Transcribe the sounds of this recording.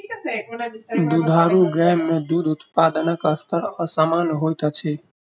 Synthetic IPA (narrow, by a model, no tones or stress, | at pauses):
d̪ud̪ʱaɾuɡɾɛmːed̪ud̪ʱut̪pad̪ənəkəst̪ʰəɾəsamanɦojt̪ət͡ʃʰɛ